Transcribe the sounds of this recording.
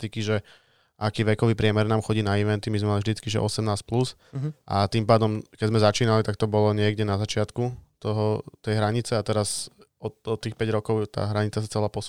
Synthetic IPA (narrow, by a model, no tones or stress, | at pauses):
t̪ikiʒɛ | ʔakiːʋɛkɔʋiːpɾɪɛmɛɾnaːmxɔɟiːnaiʋɛnt̪imizmɛmalivʒd̪it͡skiʒɛ̰ʔɔ̰sɛmnaːsplus | ʔa̰t̪impaːd̪ɔmkɛɟzmɛzat͡ʃiːnalit̪akt̪ɔbɔlɔɲɪɛɡɟɛnazat͡ʃɪat̪kut̪ɔɦɔt̪ɛjɦɾaɲit͡sɛat̪ɛɾas | ɔt̪ɔt̪ːiːxpɛɟɾɔkɔʊt̪a̰ːɦɾaɲit͡sasat͡sɛlaːpɔs